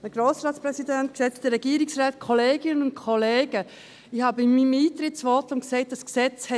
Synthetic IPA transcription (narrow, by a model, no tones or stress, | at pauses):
əɡ̥ɾoːsɾɑːtsprɛsidɛnt̚ksɛɪtfd̥̪əɾːɛɡ̥iːəɾɪksraːt̚kʰoleːɡ̥ɪnənʊ̃nt̚kʰoleːɡ̥ə | ɪhɑːbəɪmimiːt̪ɾɪtsʋɔtʊnksɛɪt̚d̥ɑsksɛt͡shɛ